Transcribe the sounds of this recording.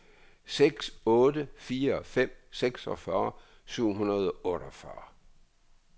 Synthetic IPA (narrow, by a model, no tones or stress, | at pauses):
seɡ̥sɔ̽ːdəfiːɐfem̰seɡ̥sɒfɶːɐ | syʊ̰ɦunɐð̞ˠɒʔɔːɾ̥ɒfɶɐ